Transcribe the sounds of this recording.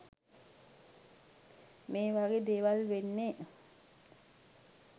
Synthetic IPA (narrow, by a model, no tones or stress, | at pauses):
meːʋaɡed̪eːʋalʋenːe